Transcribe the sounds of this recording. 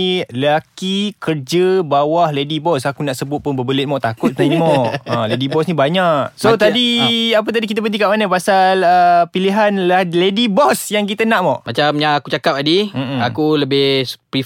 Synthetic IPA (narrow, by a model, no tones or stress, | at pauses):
ləlakikərd͡ʒəbawahledibɔsakunaʔsəbʊt̪̚pʊnbəbəlɪt̪̚mɔʔt̪akʊt̪̚animmɔʔə̃ledibɔsnibaɲaʔsot̪adiap̬ət̪adikit̪̬əbənt̪ikaʔmanəpasaləpiliɦanlaledibɔsjaŋk̬it̪ənãʔmɔʔmat͡ʃamɲaakut͡ʃakap̚adim̩akuləbɪhpɾi